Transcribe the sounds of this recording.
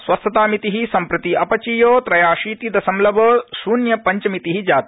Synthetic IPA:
sʋɐst̪ʰɐt̪aːmit̪iɦisɐmpɾɐt̪iʔɐpɐt͡ʃiːjoːt̪ɾɐjaːʃiːt̪id̪ɐsɐmlɐbɐːsuːnjɐpɐɲt͡ʃɐmit̪iɦid͡ʒaːt̪

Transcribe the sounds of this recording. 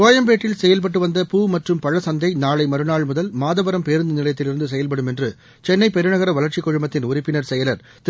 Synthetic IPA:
oːjɐmpeːʈːɪlsɛjɐlp̬ɐʈ̬ːɯʋɐnd̪ɐpuːmɐʈrɯmpɐɻɐsɐnd̪ɐɪnaːɭɐɪmɐɾɯnaːɭmʊðɐlmaːðɐbɐɾɐmpeːɾɯnd̪ɐnɪlɐjɐt̪ːɪlɪɾɯnd̪ɯs̬ɛjɐlpɐɽɯmɛndrɯ | t͡ʃɛnːɐɪpɛɾɯnɐɣɐɾɐʋɐlɐɾt͡ʃɪkːɔɻɯmɐt̪ːɪnʊɾɪpːɪnɐɾsɛjɐlɐɾ | t̪

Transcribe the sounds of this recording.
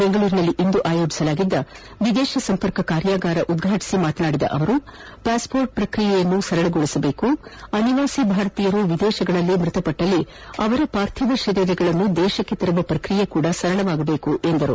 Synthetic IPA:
beŋɡɐɭuːɾinɐlːiʔind̪uʔaːjo̞ːd͡ʒi̥sɐlaːɡid̪ːɐ | ʋid̪ɛːʃɐsɐmpɐɾkɐkaːɾjaːɡaːɾɐʔud̪ɡʱaːʈi̥simaːt̪naːɽid̪ɐ̰ʔɐ̰ʋɐɾupaːspo̞ːɾʈ̚pɾɐkɾijɛjɐnːusɐɾɐɭɐɡɔɭisɐbe̞ːkuɐniʋaːsibʱaːɾɐt̪ijɐɾuʋid̪ɛːʃɐɡɐɭɐlːimɾut̪ɐpɐʈːɐlːi | ɐʋɐɾupaːɾt̪ʰjɐd̪ɐʃɐːɾjɐɾɛɡɐɭɐnːud̪ɛːʃɐkːet̪ɐɾɐʋɐpɾɐkɾijekuːɽɐsɐɾɐɭɐʋaːɡɐbe̞ːkuʔend̪ɐɾṵ

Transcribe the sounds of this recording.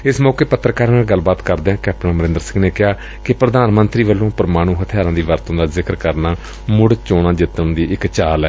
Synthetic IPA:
ɪsmɔːkeːpət̪ːɾəkaːɾːnaːlɡəlːbaːt̪kəɾd̪ẽãːkɛːp̚ʈənməɾɪ̃nd̪əɾsɪ̃ŋɡneːkɪaː | kɪpɾəd̪aːnmənt̪ɾiːʋəlːõːpəɾəmaːɽ̃ũːɦət̪ʰɪjaːɾãːd̪iːʋəɾt̪õːd̪aːzɪkəɾkəɾnaː | mʊɽt͡ʃoːɽ̃ãːd͡ʒɪt̪ːənd̪iːʔɪkt͡ʃaːlɛː

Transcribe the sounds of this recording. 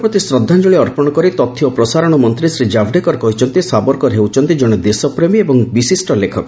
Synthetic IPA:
pɾɔt̪isɾɔd̪ʱːand͡ʒuɭiɔɾpɔɽ̃ɔkɔɾit̪ɔt̪ʰiɔpɾɔsaɾɔɽ̃ɔmɔnt̪ɾisɾid͡ʒabɖekɔɾkɔɦit͡ʃʰɔnt̪isabɔɾkɔɦewt͡ʃʰɔnt̪id͡ʒɔɽ̃ed̪esɔpɾemiebɔŋbisisʈɔlekʰɔkɔ

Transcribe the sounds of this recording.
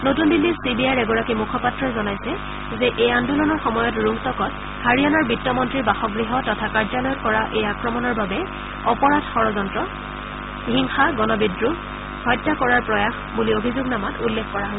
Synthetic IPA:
notundilːisibiajɹɛɡɔɹakimukʰɔpatɹɔjzɔnajsɛ | zɛʔejandulɔnɔɹxɔmɔjɔtɹuŋtɔkɔt | haɹianaɹbitːɔmɔntɹiɹbaxɔɡɹiɦɔtɔtʰakaɹzalɔjɔtkɔɹaʔejakɹɔmɔnɔɹbabɛ | ɔpɔɹadʱxɔɹɔzɔntɹɔ | hiŋxaɡɔnɔbidɹu | hɔjtːakɔɹaɹpɹɔjaxbuliobʱizʊɡnamatulːekʰkɔɹaɦɔ

